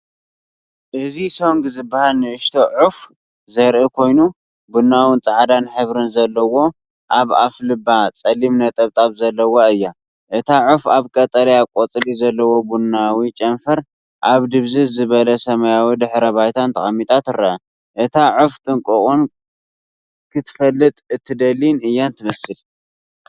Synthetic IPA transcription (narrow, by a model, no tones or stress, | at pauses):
ʔɨziso̞ŋɡzɨbːahalnɨʔɨʃt̪ʰo̞ʕuf | zɐɾʔɨkʰo̞jnu | bunːawɨnt͡sʼaʕd̪anħɨβɾɨnzɐlːɐwo̞ | ʔaβaflɨbːat͡sʼɐlimnɐt̪ʼɐβt̪ʼaβzɐlːɐwoɨjːa | ʔɨt̪ʰaʕufaβkʼɐt̪ʼɐlɐjakʷʼot͡sʼlizɐlːɐwo̞bunːawit͡ʃʼɐnfɐɾ | ʔaβd̪ɨβzɨzɨβɐlɐsɐmajawid̪ɨħɾɐβajt̪ʰant̪ʰɐ̰χʼɐmːit̪ʼʰat̪ɨɾɐɐ | ʔɨt̪ʰaʕuft̪ʼɨŋkʼɨχʼun | kʰɨt̪ʰfɐlːɨt̪ʼɨt̪ʰːɨd̪ɐlinɨjːant̪ʰɨmɐsɨl